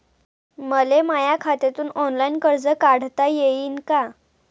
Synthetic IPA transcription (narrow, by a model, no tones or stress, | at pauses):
məlemajakʰat̪et̪uːnɔnlainkəɾd͡zəkaɽ̤t̪ajeiːnka